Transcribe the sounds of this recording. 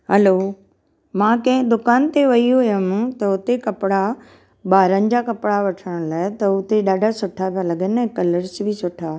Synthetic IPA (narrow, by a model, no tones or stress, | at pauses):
ɦɐloː | mãːkɐ̃ɦɪ̃d̪ʊkaːnt̪eʋɐiɦʊjəmt̪ɐʊt̪ekɐpɪɽa | ɓaːɾənɪ̆d͡ʑakɐpɪɽaʋɐʈʰəɽ̃laːɪt̪ɐʊt̪eɗaːɖʱasʊʈʰapãlɐɡənɛ̃ːkɐləɾsbʱɪsʊʈʰaː